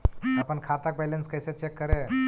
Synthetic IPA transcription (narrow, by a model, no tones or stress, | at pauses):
apənkʰat̪ak̚bɛlenskəjset͡ʃekːəɾe